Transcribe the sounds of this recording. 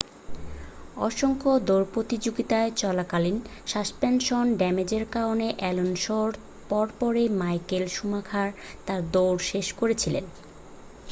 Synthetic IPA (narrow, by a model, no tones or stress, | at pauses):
ɔʃoŋkod̪oɾpɾot̪id͡ʑoɡit̪aet͡ɕɔlakalinʃaspenʃonɖɛmed͡ʑeɾkaɾoneʔɛlonʃoɾ | pɔɾpɔɾemajkelʃumakʰaɾt̪aɾd̪owɾʃeʃkoɾet͡ɕʰilḛn